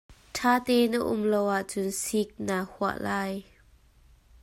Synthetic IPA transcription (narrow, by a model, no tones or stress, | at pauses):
tʰaːt̪ɛːnəʔʊ̰mlowʔaʔt͡sʊnsik̚naːhuə̰ʔlaːj